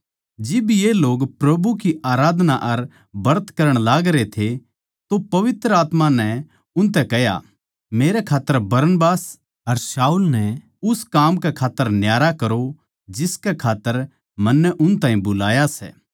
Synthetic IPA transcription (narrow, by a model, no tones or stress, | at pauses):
d͡ʒɪbjeloːɡpɾɐbuk̬iʔaːɾaːd̪ʱnaʔɐɾ | bɐɾt̪kɐɾəɽ̃laːɡɾet̪ʰe | t̪opɐʋɪt̪ɾəaːt̪mãnɛ | ʊnt̪̬ɛkɛɦja̰ | meːɾɛkʰaːt̪ːəɾbɐɾənbaːs | ɐɾsaːuːlnɛ | ʊskaːmkɛkʰaːt̪ːəɾnjaːɾakɐɾo | d͡ʒɪskɛkʰaːt̪ːəɾ | mɐnːɛʔʊnt̪ãːĩbʊlaːjasɛ̰ː